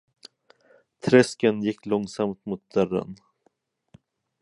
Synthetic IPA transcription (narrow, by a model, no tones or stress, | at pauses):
t̪ʰɾɛskənjɪkːlɔŋːsamt̪mʊt̪̚d̪œrə̰n